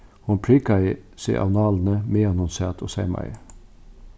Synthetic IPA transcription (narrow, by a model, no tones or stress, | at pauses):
hʊnpʰɹiːkɑisḭʔɑ̰nɑːlnəmeːɑnɔnseːt̪ʰo̰ːsɛɪmɑ̰ɪ̰